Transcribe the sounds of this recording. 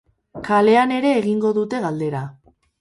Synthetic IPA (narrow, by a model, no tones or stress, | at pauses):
kale̞ane̞ɾe̞ːɣiŋɡo̞ðut̪e̞ɣald̪e̞ɾa